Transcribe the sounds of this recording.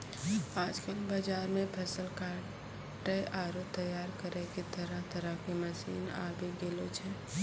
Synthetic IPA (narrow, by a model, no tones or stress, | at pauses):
aːd͡ʒkəlbad͡ʒaːɾmẽpʰəsəlkaːɾɖ | ʈəʔaɾot̪əjaːɾkəɾɛket̪əɾət̪əɾəkiməsḭːna̰ːbeɡelot͡ʃʰɛ